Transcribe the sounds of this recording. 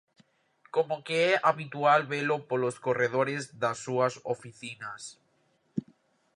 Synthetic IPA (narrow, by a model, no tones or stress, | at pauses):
komokeɛʔaβit̪ualβelopoloskoreð̞oɾezðasːuaso̰fiθinas